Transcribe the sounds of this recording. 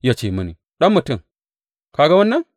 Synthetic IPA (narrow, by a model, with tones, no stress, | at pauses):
ja˨t͡ʃe˨mɨ˨nḭ˨ | ɗa˦mːɨ˨tɨ˨ | ka˨ɡa˦wɐ˦nːa˦